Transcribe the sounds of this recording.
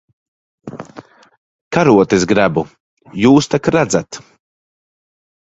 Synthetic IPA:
kaɾuɔt̪esɡɾabu | juːst̪akɾad̪zat̪

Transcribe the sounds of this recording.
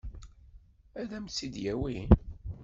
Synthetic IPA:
æðæmt͡sːid̪jæwi

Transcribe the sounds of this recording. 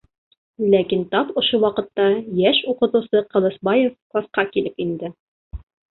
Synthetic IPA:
lækint̪ɑpŏʃowɑqɤ̆t̪ːɑjæʃuqɤ̆t̪ŭsɤqɤ̆lˠɤ̆sbɑjefklˠɑsqɑkilɘpind̪ɘ

